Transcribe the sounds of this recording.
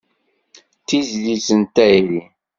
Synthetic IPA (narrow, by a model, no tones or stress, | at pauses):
t̪izlisənt̪æjɾi